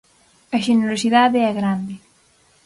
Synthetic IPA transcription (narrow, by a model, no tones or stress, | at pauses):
ɐʒeneɾosiðaðeɛɣɾand̪e